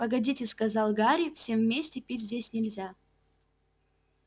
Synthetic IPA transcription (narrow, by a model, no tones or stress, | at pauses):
pəɡɐdʲitʲɨskɐzɑlˠɡaɾʲifsʲe̞mvmʲesʲtʲɪpʲitʲzʲdʲesʲnʲɪlʲzʲa